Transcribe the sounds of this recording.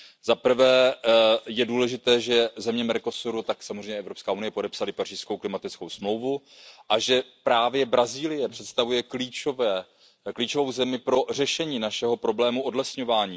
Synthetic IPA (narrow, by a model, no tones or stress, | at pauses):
zapr̩vɛː | jɛduːlɛʒɪt̪ɛːʒɛzɛmɲɛmɛɾko̞suɾut̪aksamozreɛjɲɛʔɛvɾopskaːunɪjɛpo̞dɛpsalɪpariːskowklɪmat̪ɪt͡skowsmlo̞wvu | ʔaʒɛpɾaːvjɛbɾaziːlɪjɛpr̝̥ɛt̪st̪avujɛkliːt͡ʃovɛː | kliːt͡ʃo̞vo̞wzɛmɪpɾo̞r̝ɛʃɛɲiːnaʃɛɦo̞pɾo̞blɛːmuʔo̞dlɛsɲo̞vaːɲiː